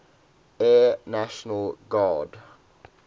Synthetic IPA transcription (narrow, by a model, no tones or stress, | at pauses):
enæʃn̩əl̩ɡɑːɖ